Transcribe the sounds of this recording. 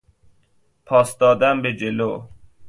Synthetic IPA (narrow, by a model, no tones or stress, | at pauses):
pʰɒːsd̪ɒːd̪æmbed͡ʒelo